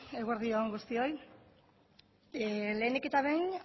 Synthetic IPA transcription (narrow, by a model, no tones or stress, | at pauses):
eɣeɾðioŋɡust̪io̞j | le̞ːneke̞t̪aβejn